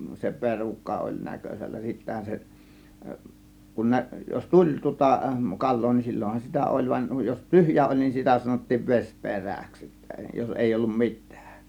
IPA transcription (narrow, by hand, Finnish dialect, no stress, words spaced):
se perukːɑ olʲ nækøsʲælːæ sitːæhæ se kun næ jos tulʲ tŭŏtɑ kɑlˑoː nin silʲːonhɑn sitæ ʔolʲ ʋɑn jos tyhjæ olʲ nin sitæ sɑnotːiːʋ ʋes pe̞ræˑks sitːæ jos eˑi olːum mitˑæ̥ːk